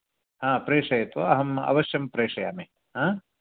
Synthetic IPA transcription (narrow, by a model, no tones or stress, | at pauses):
hãːpɾeːʂɐjɐt̪ʋɐɐɦɐmɐ̰ʋɐʃjɐmpɾeːʂɐja̰ːmeː | hãː